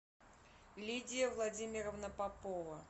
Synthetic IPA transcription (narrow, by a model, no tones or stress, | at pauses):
lʲidʲɪjəvlˠadʲimʲɪɾəvnəpapovə